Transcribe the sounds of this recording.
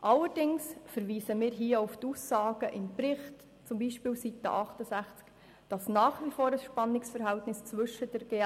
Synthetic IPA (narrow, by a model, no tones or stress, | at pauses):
ʔɑləɾd̥ɪŋsfəɾʋiːsəmɪːɾɦiːəuftusːɑːɡ̥əʔɪmpɾɪχt | t͡sʊmbiːʃpiːlsitə̰ʔɑχtəsæχt͡sk | d̥ɑsnɑːχʋifoːɾəsʃpɑnːɪksfəɾɦæltnɪst͡sʋʏʃədɛɾɡ̥eː